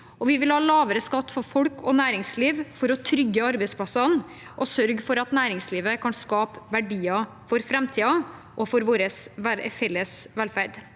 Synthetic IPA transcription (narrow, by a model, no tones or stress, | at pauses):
ʔɔʋɪʋɪlhɑːlɑːʋəɾəskɑt̪ːfɔɾfɔlkʰɔnæːɾɪŋsliːʋfɔɾɔt̪ʰɾʏɡːəɑɾbɛɪspʰlɑsɑn | ʔɔsœɾɡfɔɾɑt̪næːɾɪŋsliːʋəkʰɑnskɑːpʋæɖiːɑ | fɔɾfɾɛmt̪ʰiːɑ | ʔɔfɔɾʋoːɾəsʋæfɛlːəsʋɛlfæɾɖ̪